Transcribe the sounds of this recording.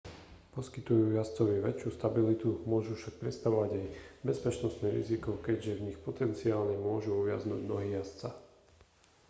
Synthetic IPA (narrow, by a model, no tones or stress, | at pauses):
pɔskit̪ujuːjast͡sɔʋiʋɛt͡ʃjust̪abilit̪umʊɔʒufʃak̚pɾɛt̪st̪aʋɔʋaɟajbɛspɛt͡ʃnɔst̪niɾḭzikɔkɛɟʒɛvɲixpɔt̪ɛnt͡siaːlɲɛmʊɔʒuɔʋɪa̰znṵːɟnɔɦiːjast͡sa